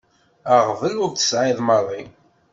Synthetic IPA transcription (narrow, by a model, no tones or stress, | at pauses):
əʁvəlʊɾθə̥sʕɪðˤmərˤi